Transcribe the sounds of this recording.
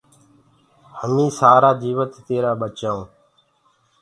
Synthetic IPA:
həmĩːsaːɾaːd͡ʒ̪iːʋət̪ːeːɾaːɓət͡ʃaõː

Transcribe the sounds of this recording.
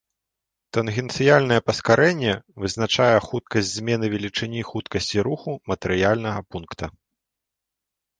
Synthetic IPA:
t̪ɐnɣʲɛnt̪sɨjalʲnɐjɛpɐskaɾʔɛnʲːɛvɨznat͡ʂajɛxut̪̚kɐsʲtʲzʲmʲɛnɨvʲɛlʲit͡ʂɨnʲixut̪kɐsʲt͡sʲiɾuxumɐt̪ɛɾɨjalʲnɐɣɐpunkt̪ɐ

